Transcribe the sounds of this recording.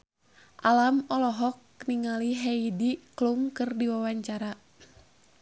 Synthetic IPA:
ʔalamɔlɔɦɔk̚ | niŋaliɦɛidiklumkɨrdiwawaɲt͡ʃaɾa

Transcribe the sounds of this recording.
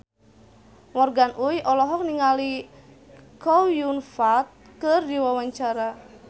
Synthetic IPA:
mɔrɡanʔujɔlɔɦɔk̚niŋali | kɔwjunfat̪̚ | kɨrdiwawaɲt͡ʃaɾa

